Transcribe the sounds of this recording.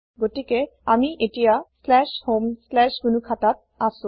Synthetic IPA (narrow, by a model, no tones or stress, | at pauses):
ɡotike | amiʔeʈijaslɛʃhomslɛʃɡunukʰat̪at̪̚asu